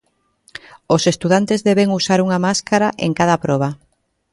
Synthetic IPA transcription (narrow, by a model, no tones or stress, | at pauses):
osest̪uðant̪ezðɛβeŋusaɾuŋamaskaɾaʔḛŋkað̞apɾɔβ̞a